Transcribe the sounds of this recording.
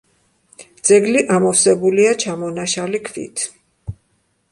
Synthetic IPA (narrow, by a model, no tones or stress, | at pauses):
d̪z̥ɛɡliʔamɔfsɛbuliat͡ʃʰamɔnaʃalikʰvḭt̪ʰ